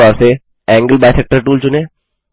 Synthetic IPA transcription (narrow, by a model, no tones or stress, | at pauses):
aːɾse | ɛ̃ːŋɡəlbaːjsek̚ʈəɾʈuːlt͡ʃʊnẽː